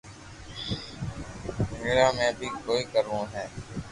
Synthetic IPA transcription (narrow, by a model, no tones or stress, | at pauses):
meːɾaːmɛ̃ːbʱiːkoːiːkəɾːũːɦɛː